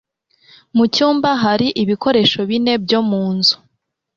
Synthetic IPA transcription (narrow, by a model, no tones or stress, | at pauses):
mucuːmbaɦaɾiʔiβiko̞ɾe̞ʃo̞βine̞b̚jo̞muːnzu̥